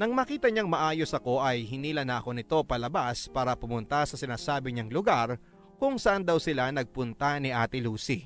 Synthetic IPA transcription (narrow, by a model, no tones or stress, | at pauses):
nɐŋmɐkiːt̪ɐɲaŋmɐʔaːjo̞sɐko̞ʔɐjɦɪniːlɐnɐʔɐko̞nɪt̪o̞pɐlɐbaspaːɾɐpʊmʊnt̪ɐsɐsɪnaːsaːbɪɲaŋlʊɡaɾ | kʊŋsɐʔand̪ɐwsɪlanɐɡ̚pʊnt̪ɐnɪʔaːt̪ɪluːsi